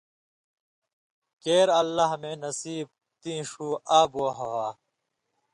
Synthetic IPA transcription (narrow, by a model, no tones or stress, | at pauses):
keːɾɐlːaɦmeːnɐsiːb̚ | t̪ĩːʂuːaːboːɦɐwaː